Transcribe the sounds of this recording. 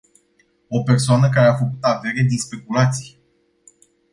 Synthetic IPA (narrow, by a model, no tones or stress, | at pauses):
o̞pe̞rsoanəkaɾe̞afəkut̪ave̞ɾed̪inspe̞kulat̪si̥j